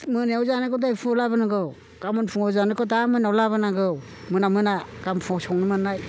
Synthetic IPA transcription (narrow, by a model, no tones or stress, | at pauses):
mɯneɔwzanɯkʰɔdajpʰuɔlabɯnaɡɯw | ɡ̥amɯnpʰuŋɔwzanɯkʰɔtamɯnawlabɯnaɡɯw | mɯnamɯnaɡ̥ampʰɔsɔŋnɯmɯnːaj